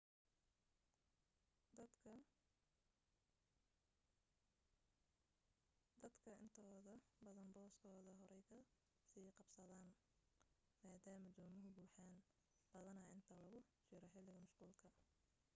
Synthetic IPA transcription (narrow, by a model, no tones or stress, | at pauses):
d̪ɐɐ | d̪ɐd̪kʰɐʔɪnt̪ʰɔːðɐbɐðɐnbɔːskʰɔːðɐɦɔɾɛjkʰɐ | siːqɑbsɐðaːn | maːd̪aːmɐd̪ɔːmʊɦʊbuːħaːn | b̥ɐðɐnɐɪnt̪ʰɐlɐɣʊt͡ʃɪɾɐħɪlːɪɣɐmɐʃquːlkʰɐ